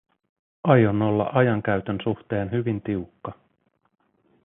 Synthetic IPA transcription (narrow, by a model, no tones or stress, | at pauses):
ɑjonːo̞lːɑ̰ʔɑjɑŋk̟æyɥt̪ønsuxt̪e̞ːnɦyʋint̪iukːɑ